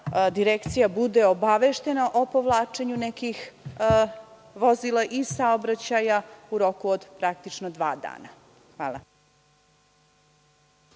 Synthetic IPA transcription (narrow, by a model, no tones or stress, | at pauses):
d̪iɾekt̪sijabud̪eobaʋeʃt̪e̞naʔo̞poʋlˠaːt͡ʂeɲunekix | ʋozilˠaʔisaobɾat͡ɕajauɾo̞kuod̪pɾak̚t̪it͡ʂnod̪ʋa̰ːd̪a̰ːna | xʋaːlˠa̰